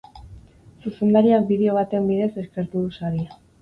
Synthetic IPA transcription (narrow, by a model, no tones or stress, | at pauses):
suse̞nd̪aɾiak̚biðe̞o̞β̞at̪e̞mbiðe̞se̞ske̞ɾt̪uðusaɾia